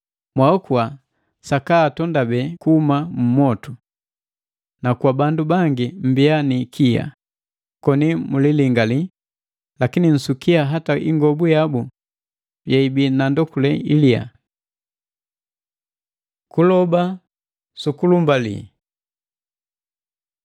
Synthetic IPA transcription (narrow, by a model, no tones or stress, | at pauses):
mwaɔkua | sakaːtɔndabɛkuhumamumɔtu | nakwabandubaŋɡim̩bianikʰija̰ | kɔnimuliliŋɡali | lakinin̩sukiaɦataʔḭŋɡɔbujabu | jaibinandɔkulɛilia̰ | kulɔba | sukulumbalḭ